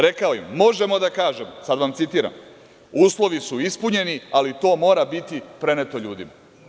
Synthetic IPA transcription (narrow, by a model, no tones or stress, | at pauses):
ɾe̞kaojimːo̞ʒe̞mo̞d̪akaːʒemsad̪ʋamt̪sit̪iːɾa̰m | uːslˠo̞ʋisuispuɲe̞nialit̪o̞ːmo̞ːɾabit̪ipɾe̞ne̞t̪o̞ʎuːd̪ima